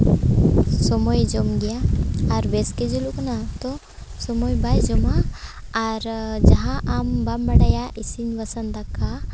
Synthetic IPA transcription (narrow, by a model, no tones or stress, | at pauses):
sɔmojd͡ʒomɡijaːɾʋesked͡ʒuluknat̪o | sɔmojbajd͡ʒomaː | ɾd͡ʒɐɦãʔambambɐɽajaʔisinʋɐsənd̪akːa